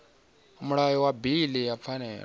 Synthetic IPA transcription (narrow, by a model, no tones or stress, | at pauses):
muɺajɔwabiliap̪fʰanɛ